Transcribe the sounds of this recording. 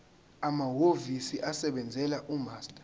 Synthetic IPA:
amaɦovisiʔasɛɓɛnd͡zʱɛlaʔumaːstʼḁ

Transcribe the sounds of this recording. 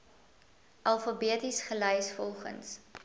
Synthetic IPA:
ʔɐlˠfɐbiətisχəlœjsfɔlˠχə̰ns

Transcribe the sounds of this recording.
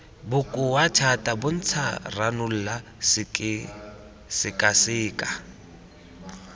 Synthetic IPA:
bʊkʼʊwat͡ʃʰatʼabʊn̩t͡sʰaranʊl̩las | sɪkʼasɪːkʼa

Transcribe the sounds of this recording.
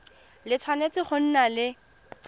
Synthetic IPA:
lɪt͡sʰwanet͡sʼɪχʊn̩nalɪ

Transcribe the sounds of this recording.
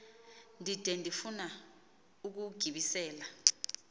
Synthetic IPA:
ndʱid̥ʱɛndʱifuna | uk̬uɡ̥ʱiɓisɛːla

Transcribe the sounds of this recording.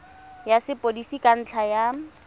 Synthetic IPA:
jasɪpʼodisikʼan̩t͡ɬʰaja

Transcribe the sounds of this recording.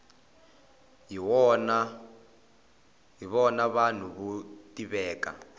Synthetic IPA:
iɔna | ɦiβɔnaβan̤uβutʼiβɛːka̰

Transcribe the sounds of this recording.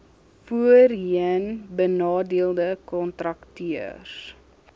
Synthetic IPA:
fuərɦiənbənɑːdiəlˠdəkɔntrɐktiərs

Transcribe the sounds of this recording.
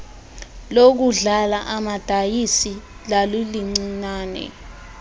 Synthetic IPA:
lok̬uɮalaʔamad̥ʱajisi | laliliŋ͡ǀinaːnɛ̰

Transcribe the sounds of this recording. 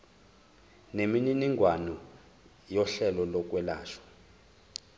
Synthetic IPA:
nemininiŋɡʱwanɔ | jɔɬɛlɔlɔk̬ʼwɛlaːʃɔ̥

